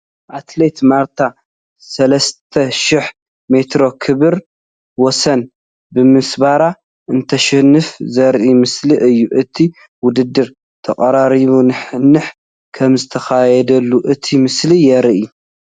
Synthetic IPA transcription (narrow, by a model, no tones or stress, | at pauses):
ʔat̪let̪maɾt̪ʰa | sɐlɐst̪ʰɐʃiħ | me̞t̪ɾo̞kʰɨβɨɾ | wɔsɐn | bɨmɨsbaɾa | ʔɨnt̪ʰɐʃɐhnːɨfzɐɾʔimɨsliʔɨjːuʔɨt̪ʰi | wʊd̪ɨd̪ːɨɾ | t̪ʰɐkʼɐɾaɾiβunɨħɨnːɨħ | kʰɐmzɨt̪ʰɐxajɛd̪ɐlːuʔɨt̪ʰimɨslijɛɾʔi